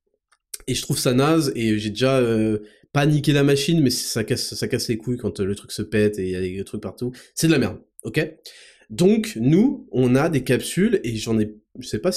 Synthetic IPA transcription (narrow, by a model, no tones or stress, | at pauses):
eʒət̪χuvsanazeøʒed̪eʒaø | panikʲelamaʃinmɛssakʲassakaslekʰujkɑ̃t̪ølət̪χyksəpɛt̪ejalet̪χyk̚paʁt̪usɛd̪əlamɛʁd̪ | ɔkʲe | d̪ɔ̃knuɔ̃nad̪ekapsyleʒɑ̃nɛ | ʒəsɛpa